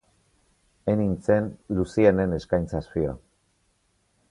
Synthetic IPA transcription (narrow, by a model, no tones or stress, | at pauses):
enint͡se̞nlusiene̞ne̞skajnt͡saspia̰